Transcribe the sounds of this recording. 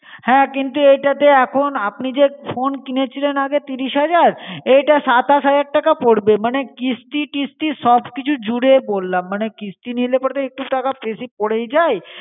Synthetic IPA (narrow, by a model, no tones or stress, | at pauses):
hɛ̃kint̪uejʈat̪eɛkʰonapnid͡ʑefonkinet͡ɕʰilenaɡet̪iɾiʃɦad͡ʑaɾejʈasat̪asad͡ʑaɾ̚ʈakapoɾbemanekist̪iʈist̪iʃɔbkit͡ɕʰud͡ʑuɽebolːamːanekist̪inilepɔɾt̪eek̚ʈuʈakapɾesipoɽejd͡ʑae